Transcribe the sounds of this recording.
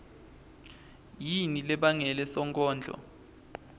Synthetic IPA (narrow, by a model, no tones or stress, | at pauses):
jinilɛɓaŋɛlɛsɔŋkʼɔːnd͡ɮʱɔ̰